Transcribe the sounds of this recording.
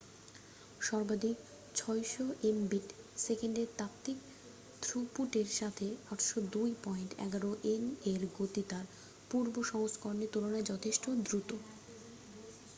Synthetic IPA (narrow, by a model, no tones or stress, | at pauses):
ʃɔɾbad̪ʱik̚ | t͡ɕʰɔjʃoʔembiʈ | sekeɳɖeɾt̪ap̚t̪ik | t̪ʰɾupuʈeɾʃat̪ʰeaʈʃod̪ujpɔjɳʈɛ̰ɡaɾoʔeneɾɡot̪it̪aɾ | puɾboʃɔŋoskoɾonit̪ulonaed͡ʑɔt̪ʰeʃʈod̪ɾut̪o